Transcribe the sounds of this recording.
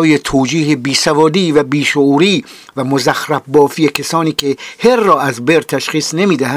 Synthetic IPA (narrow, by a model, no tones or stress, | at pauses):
jet̪ʰoːd͡ʒiːhebiːsævɒːd̪iːvæbiːʃoʔuːɾiː | væmozæxɾæbːɒːfijekʰesɒːniːkʰeheɾːɒːʔæzbeɾt̪ʰæʃxiːsnemiːd̪æhæ